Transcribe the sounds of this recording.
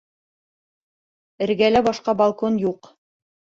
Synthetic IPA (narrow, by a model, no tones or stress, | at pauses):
ɘ̆ɾɡælæbɒʃqɑbɑlˠkonjuq